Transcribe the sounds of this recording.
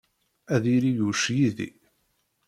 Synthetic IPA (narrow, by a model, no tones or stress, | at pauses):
æðiɾijuʃjiðḭ